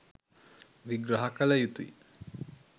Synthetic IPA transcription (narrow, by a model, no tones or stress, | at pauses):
ʋiɡɾɐɦɐkələjut̪uḭ